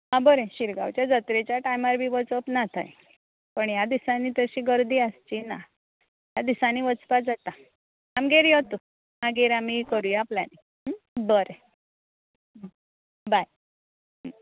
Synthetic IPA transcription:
ãbəɾeɕiɾɡa̰wt͡ɕjad͡zət̪ɾet͡ɕjaʈajmaɾbʱiːʋət͡səpnat̪ʰa̰j | pəɳjad̪isaniːt̪əɕiːɡəɾd̪iːast͡ɕina̰ | jad̪isaniːʋət͡spad͡zat̪a | amɡeɾjɔt̪u | maɡeɾamikəɾujapla̰ni | bəɾe | baj

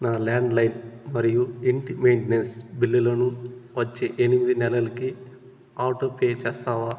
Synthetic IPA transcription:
naːlaːɳɖlɐjnmɐɾijuiɳʈimejɳʈnensbilːilɐnuʋɐt͡ʃːeːʔenimid̪inɛlɐlɐki | aːwʈoːpeːt͡ʃeːst̪aːʋaː

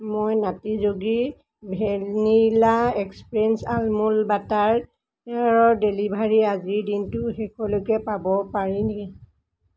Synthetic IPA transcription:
mojnatizoɡi | bʱɛlnilaɛkspɹɛnsalmulbataɹ | ɛɹɔdelibʱaɹiaziɹdintʊxɛkʰɔlokɛpabɔpaɹinɛ

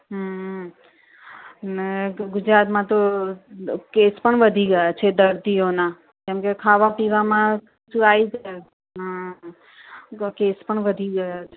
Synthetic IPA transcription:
ɦ | neɡʊd͡ʒɾaːt̪mãt̪o | kespəɳʋəd̪ʱiɡəjat͡ʃʰed̪əɾt̪ijonã | kẽmkekʰaʋapiʋamãk | t͡ʃʰuaid͡ʒa | kespəɳʋəd̪ʱiɡəjat͡ʃʰe

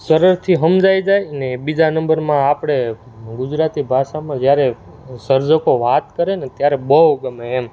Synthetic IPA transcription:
səɾəɾt̪ʰiɦəmd͡ʒajd͡ʒajnebid͡ʒanə̃mbəɾmãapɽ̃e | ɡʊd͡ʒɾat̪ibʱaʃamãd͡ʒjaɾe | səɾd͡ʒəkoʋat̪kəɾenet̪jaɾebəɦɡəmeːm

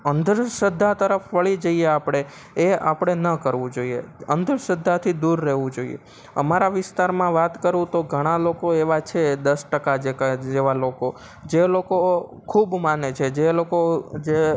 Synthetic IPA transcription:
ənd̪əɾʃəd̪ʱːat̪əɾəfʋəɭid͡ʒəieapɽ̃e | ea̰pɽ̃enəkəɾʋũd͡ʒoiḛənd̪əɾʃəd̪ʱːat̪ʰid̪uɾːəɦʋũd͡ʒoḭḛ | ə̰maɾaʋɪst̪aɾmãʋat̪kəɾũt̪oɡʱəɽ̃alokoeʋat͡ʃʰed̪əsʈəkad͡ʒekd͡ʒeʋaloko | d͡ʒeloko | kʰubmanet͡ʃʰed͡ʒelokod͡ʒe

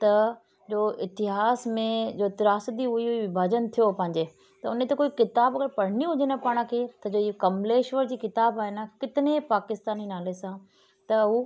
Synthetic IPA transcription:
t̪ɐ | d͡ʑoːɪt̪ɪɦaːsmẽd͡ʑoːɪt̪ɪɾaːsd̪iʊiʊʋɪbʱaːd͡ʑənt̪ʰijopɐ̃ɦɪ̃ɲ̆d͡ʑeː | t̪ɐʊnet̪ɐkoːikɪt̪aːbɐɡəɾpɐɽ̤ɪniɦʊd͡ʑɪnəpaːɽ̃kʰet̪ɐd͡ʑoːikɐmleːʃʋəɾd͡ʑiːkɪt̪aːbaːɦenəkɪt̪ɪnepaːkɪst̪aːninaːlesã | t̪ɐɦu

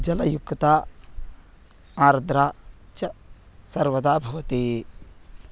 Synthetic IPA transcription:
d͡ʒɐlɐjukːt̪aː | aːɾd̪ɾaːt͡ʃɐ | sɐɾʋɐd̪aːbʱɐʋɐt̪iː

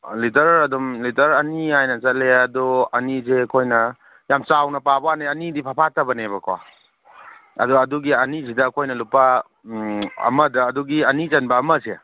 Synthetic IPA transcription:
litɐɾɐdumlitɐɾɐniajnɐt͡ʃɐleɐdɔɐnizekʰojnɐ | jamt͡ʃawnɐpabwanaɐnidipʰapʰatɐbɐnebɐkʰowa̰ | ɐ̰dɔɐduɡiɐnisidɐːkʰojnɐlupa | ɐ̰mɐdɐːduɡiɐnizɐnbɐːmɐse

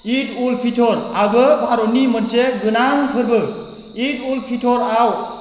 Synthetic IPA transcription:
itulpʰitʰɔɾaɡɯbʱaɾonimɯnsed̪unaŋkʰɯɾbɯ | itulpʰitʰoɾaw

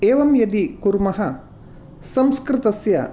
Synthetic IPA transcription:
eːʋɐmjɐd̪ikuɾmɐɦɐ | sɐmskɾɪt̪ɐsjɐ̰

